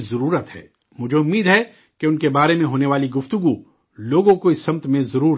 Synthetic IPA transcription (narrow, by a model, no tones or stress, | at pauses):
zɐɾuːɾət̪ɦɛ̰ː | mʊd͡ʒʱeʊmːiːd̪ɦɛ | keʊnkebaːɾemẽɦoːneʋaːliɡʊft̪ʊɡu | loːɡõkoisɐmt̪mẽzɐɾuːɾ